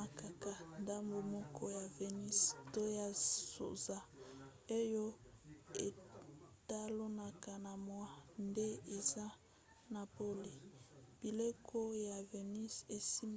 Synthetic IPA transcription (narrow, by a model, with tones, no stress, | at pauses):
a˨ka˨ka˨nda˦mbo˨mɔ˦kʰɔ˦ja˨ve˨ni˦sto˦ja˦so̰˨za˦e˦jo˦e˨ta˦lo˦na˨ka˨na˨mwa˦nde˦e˨za˦ | na˨po˦li˨b̥i˨le˦kʰo˦ja˨ve˨ni˦se˨si˦m